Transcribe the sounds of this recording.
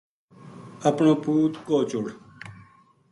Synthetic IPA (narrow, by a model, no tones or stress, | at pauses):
əpnõːpuːt̪koːt͡ʃʊɽ